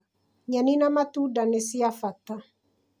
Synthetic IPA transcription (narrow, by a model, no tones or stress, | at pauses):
ɲaninamatudanesiafata